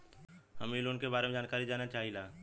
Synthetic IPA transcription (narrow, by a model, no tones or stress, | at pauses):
həmilonkebaːɾemẽd͡ʒaːnkaːɾid͡ʒaːnat͡ʃaːɦilaː